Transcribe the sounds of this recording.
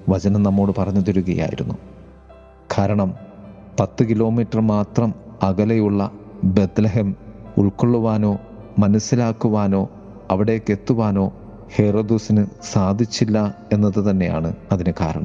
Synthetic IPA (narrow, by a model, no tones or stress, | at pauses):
ʋɐt͡ɕɐnɐmnɐmːo̞ːɽɨpɐrɐɲːɐðoɾuɣɐja̰ːjḭɾunːu | kʰaːɾɐɳɐm | pɐt̪ːɨkilo̞ːmiːtːɐrmaːt̪rɐmɐɣɐlejuɭːɐbe̞d̪lɐɦemṵɭkoɭːuʋaːno̞ː | mɐnɐsːilaːkːuʋaːno̞ː | ɐʋiɽejokːe̞t̪ːuʋaːno̞ː | he̞rod̪usinɨsaːd̪ʱit͡ɕːilːɐe̞nːɐðɨt̪ɐnːe̞ja̰ːɳɨɐðinɨkaːɾɐ̰ɳɐ̰m